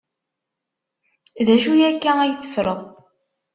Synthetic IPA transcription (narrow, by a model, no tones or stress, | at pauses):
ðæʃujækːææjθə̥fɾəðˤ